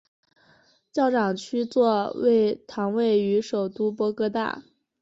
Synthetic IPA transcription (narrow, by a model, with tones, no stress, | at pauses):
t͡ɕjɑ˥˩ʊʈ͡ʂɑ˨˩ŋt͡ɕʰy˥t͡swɔ˥˧wḛ˥˩ɪt̪ʰɑ˧˥ŋwe˥˩ɪy˧˥ʂo˨˩ʊt̪u˥pwɔ˧˥kɤ˧˥t̪a̰˥˩